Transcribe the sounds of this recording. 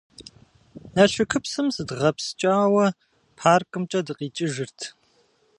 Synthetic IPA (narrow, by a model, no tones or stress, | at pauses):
nɐɬʷʊkʰɨpsɨmsɨdʁɐpst͡ʃʼaːwɐ | pʰaːrkʼɨmt͡ʃʼɐdɨqʼiːt͡ʃʼɪʒɨrtʰ